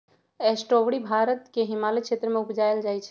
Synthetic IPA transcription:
esʈoʋɽibʱaɾət̪keɦɪmalekʃʰet̪ɾəmẽupd͡ʒaeld͡ʒajt͡ʃʰɛ̥

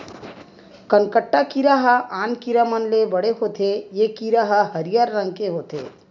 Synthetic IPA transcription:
kənkəʈːakiɾaɦəaːnkiɾamənlebəɽeɦot̪ʰejekiɾaɦəɦəɾijaɾːə̃ŋɡkeɦoːt̪ḛː

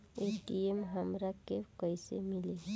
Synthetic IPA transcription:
eːʈiemɦəmɾakekəjsḛmɪle

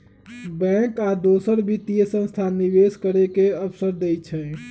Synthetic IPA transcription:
bɛ̃kad̪osəɾbʱit̪ijesə̃nst̪ʰanibeskəɾekeəpʰsəɾd̪ejt͡ʃʰɛ

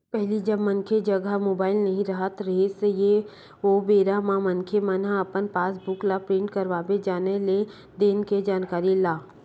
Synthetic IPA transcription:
pɛɦlid͡ʒɐbmɐnkʰed͡ʒɐɡəmoːbaːɪlnɐɦĩɾɐɦət̪ɾeːseje | oːbeːɾamãmɐnkʰemənãɐpənpaːsbʊklapɾẽːɳʈkɐɾʋaːbed͡ʒaːnele | d̪eːnked͡ʒaːnkaːɾilaː

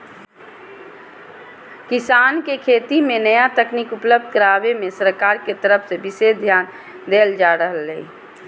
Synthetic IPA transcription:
kɪsaːnkekʰeːt̪imẽnəjat̪əknikʊpləbd̪̚ʱkəɾaːbemẽsəɾkaːɾket̪əɾəpʰsebɪseːd̪ʱjaːn | d̪eːld͡ʒaːɾəɦəlːei

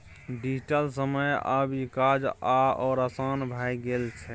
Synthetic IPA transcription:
ɖid͡ʒʈəlsəməjəbikad͡ʒaɔːɾəsaːnbʱajɡelt͡ʃʰɛ

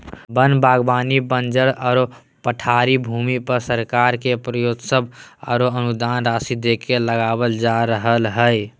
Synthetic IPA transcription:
bənbaɡbanibənd͡ʒəɽəɾo | pəʈʰaɾibʱuːmipəɾsəɾkaɾkepɾəjod̪səbə̰ɾoənud̪anɾasid̪ekeləɡabəld͡ʒaɾəɦəlɦəj

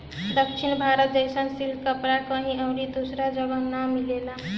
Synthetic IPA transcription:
d̪ək̚t͡ʃʰinbʱaɾət̪̚d͡ʒəjsənsibd̪kəpɾakʌɦĩəwɾid̪osɾad͡ʒəɡənːamilela

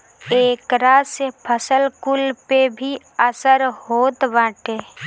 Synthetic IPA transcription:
eːkɾasepʰəsəlkulpebʱi | əsəɾɦoːt̪bãːʈeː

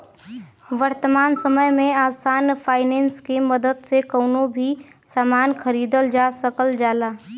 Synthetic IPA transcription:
ʋəɾt̪əmaːnsəməjmẽaːsaːnpʰaːɪneːnskiməd̪əd̪sekəːnobʱi | saːmaːnkəɾiːd̪əld͡ʒaːsəkəld͡ʒaːlaː

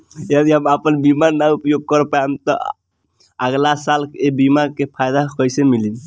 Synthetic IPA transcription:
jad̪iɦəməpənbimaɾnaupjoɡ̚kəɾpamt̪ɔ | əɡlasalkebimakepʰajd̪akəjsemili

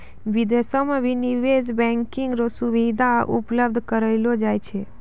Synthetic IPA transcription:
ʋid̪esomãʋiniʋezbɛ̃ŋkiŋɡɾosuʋid̪aʔṵpləb̚d̪ʱkəɾəjlod͡ʒajt͡ʃʰe

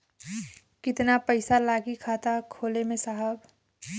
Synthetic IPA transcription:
kɪt̪napɐɪsalaːɡikʰaːt̪akʰoːlemẽsaɦəb

